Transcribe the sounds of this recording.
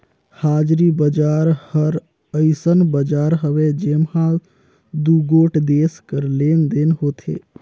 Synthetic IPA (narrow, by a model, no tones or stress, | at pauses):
haːd͡ʒɾibəd͡ʒaːɾhəɾ | əɪsənbəd͡ʒaːɾɦəʋed͡ʒemhã | d̪uɡoːʈʰd̪eːskəɾleːnd̪eːnɦoːt̪ʰḛː